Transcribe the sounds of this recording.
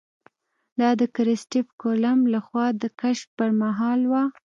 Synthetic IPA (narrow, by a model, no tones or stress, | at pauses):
d̪ɑd̪əkɾɪsʈɪfkolamlaxwɑd̪əkaʃpəɾmaɦɑlwa